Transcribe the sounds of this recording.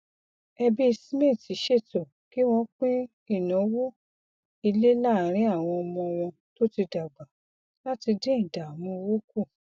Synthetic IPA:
ɛ˧bi˦˧si˦mẽ˦˨ti˨˦ʃe˦˨tɔ˨ | ki˦w̃ɔ̃˧˦k͡pĩ˦ | i˦˨nɔ̃˨˦wo˦ | i˧le˦la˦˨˦ɾ̃ĩ˨˦a˦˨w̃ɔ̃˧ɔ˧mɔ̃˧w̃ɔ̃˧ | to˦ti˧da˨ɡ͡ba˨ | la˦ti˧de˦ĩ˦˨da˨mũ˧wo˦ku˦˨

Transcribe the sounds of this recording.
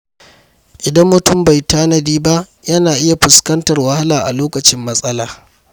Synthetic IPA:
ʔɪ˨dɐ˦mːʊ˨tʊ˦˨mba˨jtaː˦nɐ˦diː˦ba˦ʔ | jɐ˦naː˨ʔɪ˦ja˨ɸʊ˨skɐ˦ntɐ˨rwɐ˦ha˦laː˨ʔa̰˨loː˦kɐ˨t͡ʃɪ˦mːɐ˦sʼɐ˦laː˨

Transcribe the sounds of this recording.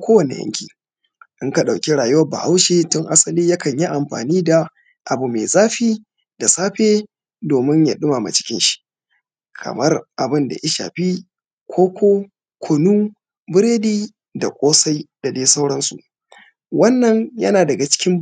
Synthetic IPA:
kʷoː˦wɐ˨nḛ˨jɐ̰˦ŋkʲḭː˨ | ʔɪ˦ŋka˨ɗa˨wkʲe˦ɽaː˨jʊ˦wɐ˦ba̰˨ha˦wʃeː˦tʊ˦ŋʔa˦sɐ˨liː˦ja˦kɐ˨ɲji˦ʔa˨mɸa̰ː˨niː˦da˨ | ʔa˨bu˨me˨zʼaː˦ɸiː˦ | da˨saː˦ɸeː˦ | doː˨mɪ˦ɲja˨ɗʊ˦maː˨ma̰˨t͡ʃɪ̥˦kʲɪ˦nʃi̥˦ | kʰɐ̰˨mɐ˦rʔa˨bɪ˦nda̰˨ʔɪ˦ʃa̰ː˨ɸi˦ | kʷʰoː˦kʷoː˦ | kʷʰʊ˨nuː˦ | bɪ˦ɾeː˦diː˦ | da˨kʷʼoː˦sa˦jd̥a˨deː˦sa˦wɽɐ˦nsṵ˨ʔ | wɐ˦nːɐ˦˨ɲjɐ̰˦naː˨dɐ˨ɡa˨t͡ʃɪ̥˦kʲɪ˦m

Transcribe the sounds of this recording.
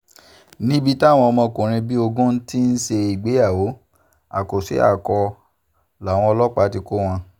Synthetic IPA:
nĩ˨˦bi˦ta˦˨w̃ɔ̃˧ɔ˧mɔ̃˧kũ˨ɾ̃ĩ˧bi˦o˧ɡũ˦n̩˦ti˦n̩˦ʃe˧i˨ɡ͡be˨˦a˦˨wo˨˦ | a̰˨ko˨sḛ˨˦a̰˦˨kɔ˧ | la˨w̃ɔ̃˧ɔ˧lɔ˦k͡pa˨˦ti˧ko˦w̃ɔ̃˧

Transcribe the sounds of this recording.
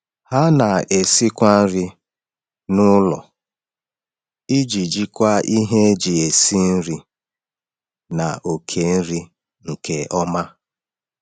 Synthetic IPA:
ha˦na˨e˨si˦kʷa˦n̩˦ɾɪ˦ | nʊ˦lɔ̰˨ | i˦d͡ʒi˨d͡ʒi˦kʷa˦ʔi˦ɦe˦e˦d͡ʒi˨e˨si˦n̩˦ɾi˦ | na̰˨ʔo˨kʰe˨n̩˦ɾi˦ | ŋ̩˨kʰe˨ʔɔ˦ma˦

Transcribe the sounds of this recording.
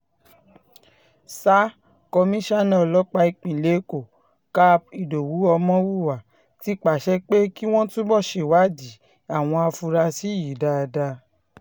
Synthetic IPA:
sa˦ | kɔ˧mĩ˦ʃa˦nɛ̃˦ɔ˧lɔ˦k͡pa˧i˧k͡pĩ˨le˨˦ko˨ | ka˦p̚i˨do˨wu˨˦ɔ˧mɔ̃˦wu˦˨wa˨ | ti˦k͡pa˨ʃɛ˦k͡pe˦ki˦w̃ɔ̃˦tũ˦bɔ˦˨ʃe˨wa˨˦di˨˦ | a˦˨w̃ɔ̃˧a˧fu˧ɾa˧si˨˦ji˨da˧da˧

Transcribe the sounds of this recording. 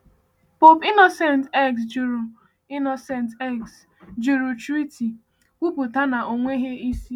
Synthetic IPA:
po˦pi˦no˨se˨ntɛ˦˨ksd͡ʒu˨ɾu˨ | i˦no˨sɛ˨ntɛ˦ks | d͡ʒu˨ɾu˨t͡ʃɾi˦ti˨ | ku˦bu˨ta˦na˨ʔo˨ŋʷe˦ɦe˦i˦si˦

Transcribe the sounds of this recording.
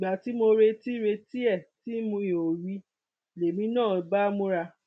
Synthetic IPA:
i˨ɡ͡ba˨ti˨˦mo˧ɾe˧ti˦ɾe˧ti˦ɛ˦˨ti˦mũ˧ĩ˨o˨ɾi˧˦˨ | le˨mĩ˧˦nãː˦˨ba˦mũ˦ɾa˧

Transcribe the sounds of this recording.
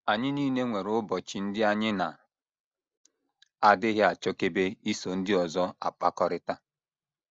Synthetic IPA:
a˨ɲɪ˦niː˦ne˦ŋʷe˨ɾʊ˦bɔ˨t͡ʃi˨n̩˦dɪ˦a˦ɲɪ˦na˨ | a˨dɪ˦ɣɪ˦a˨t͡ʃɔ˦ke˦be˦i˦so˨n̩˦dɪ˦ɔ˨zɔ˦a̰˨k͡pa˦kɔ˦ɾɪ˦ta˦

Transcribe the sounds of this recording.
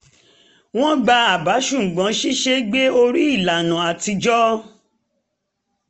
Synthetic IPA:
w̃ɔ̃˦ɡ͡ba˧a˨ba˨˦ʃũ˦˨ɡ͡bã˨˦ʃi˦ʃe˧ɡ͡be˦o˧ɾi˦i˦˨la˨nã˨a˨ti˧d͡ʒɔ˦

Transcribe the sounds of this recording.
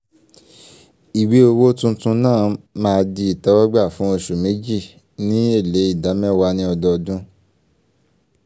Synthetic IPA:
i˨we˨˦o˧wo˦tũ˦tũ˧nãː˦˨mãː˦˧di˧i˨ta˨˦wa˦ɡ͡ba˦˨fũ˦o˧ʃu˨me˨˦d͡ʒi˦˨ | nĩ˦e˦˨le˨˦i˦˨da˨˦mɛ̃˦wa˧nĩ˦ɔ˧dɔ˧dũ˦

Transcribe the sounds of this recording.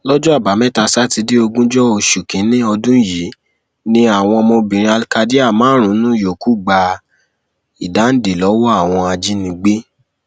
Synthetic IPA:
lɔ˦d͡ʒɔ˦a˦˨ba˨˦mɛ̃˦ta˧sa˦ti˧de˦o˧ɡũ˦d͡ʒɔ˦o˨ʃu˨kĩ˨˦nĩ˦ɔ˧dũ˦ji˨˦ | nĩ˦a˦˨w̃ɔ̃˧mo˧bĩ˨ɾ̃ĩ˧a˧lka˧di˦a˦˨mãː˨˦ɾ̃ũ˨˦nũ˦jo˨ku˦ɡ͡ba˧˦ | i˨da˨˦n̩˦de˨lɔ˨˦wɔ˦a˦˨w̃ɔ̃˧a˧d͡ʒi˦nĩ˧ɡ͡be˦

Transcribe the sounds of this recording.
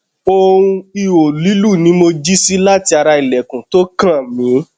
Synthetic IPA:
o˧ɾũ˧i˧wo˨li˨˦lu˦˨nĩ˨˦mo˧d͡ʒi˦si˦la˦ti˧a˧ɾa˧i˨lɛ˨kũ˨to˦kã˦˨mĩ˨˦

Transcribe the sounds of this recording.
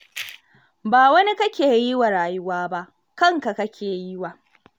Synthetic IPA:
baː˨wɐ˦ni˦kɐ˦kʲeː˨ji˦wa˨ɽaː˨jʊ˦waː˦ba˦ʔ | kɐ˦ŋka˨kɐ˦kʲʰeː˨ji˦wa˨ʔ

